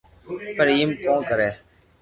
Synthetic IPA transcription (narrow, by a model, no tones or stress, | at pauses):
pəɾiːmkõːkəɾeː